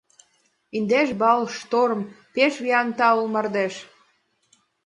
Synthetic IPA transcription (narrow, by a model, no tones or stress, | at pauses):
ind̪eʃbɑlʃt̪oɾm | peʃβiɑnt̪ɑulmɑrd̪eʃ